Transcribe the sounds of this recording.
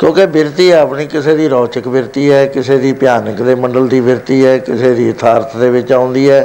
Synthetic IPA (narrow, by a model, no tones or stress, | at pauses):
kjõːkebɪɾt̪iːɛːəpniːkɪseːd̪iːɾɔːt͡ʃəkbɪɾt̪iːɛːkɪseːd̪iːpɪjaːnəkd̪eːmə̃ɳɖəld̪iːbɪɾt̪iːɛːkɪseːd̪iːt̪ʰaːɾət̪ʰd̪eːʋɪt͡ʃãːʊ̃nd̪iːɛː